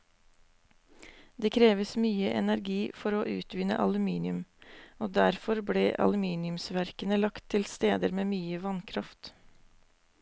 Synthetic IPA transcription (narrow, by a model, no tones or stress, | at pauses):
d̪eːkʰɾeːʋəsmyːəʔɛ̰næɾɡiːfɔɾoːʔʉːt̪ʋɪnə̰ʔɑlʉmiːnɪʉmoːd̪æɾfɔɾbɽḛːʔɑ̰lʉmiːnɪʉmsʋæɾkənəlɑkt̪ʰːɪlst̪eːd̪əɾmeːmyːəʋɑnkʰɾɑft̪